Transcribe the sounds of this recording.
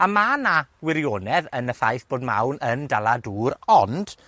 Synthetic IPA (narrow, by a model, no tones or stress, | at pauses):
amanawɪɾjoːnɛðənəθajθb̥oːdma̰wnəndalˠaduːɾɔnd̥